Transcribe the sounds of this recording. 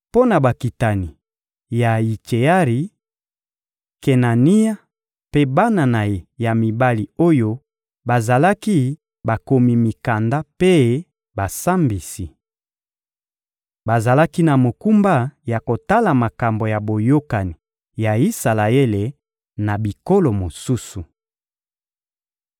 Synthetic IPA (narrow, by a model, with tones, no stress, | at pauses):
po˦na˨ba˨ki˨ta˨ni˨ | ja˨i˨t͡ʃe˨a˦ʁi˨ | ke˨na˨ni˦a˦ | pe˦ba˦na˨na˨je˨ja˨mi˨ba˦li˨o˦jo˦ | ba˨za˨la˦ki˦ | ba˨ko˨mi˨mi˨ka˨nda˦pe˦ | ba˨sa˦mbi˨si˨ | ba˨za˨la˦ki˦na˨mo˨ku˦mba˦ja˨ko˨ta˦la˨ma˨ka˨mbo˨ja˨bo˨jo˦ka˨ni˨ | ja˨i˦sa˨la˨e˦le˨ | na˨bi˨ko˦lo˨mo˨su˦su˨